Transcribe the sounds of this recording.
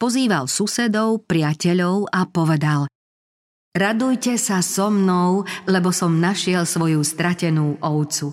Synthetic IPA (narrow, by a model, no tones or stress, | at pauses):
pɔziːʋalsusɛd̪ɔʊpɾɪacɛʎɔʊapɔʋɛd̪al | ɾad̪ujcɛsasɔmnɔʊlɛbɔsɔmnaʃɪɛlsʋɔjust̪ɾacɛnuːʔɔʊt͡su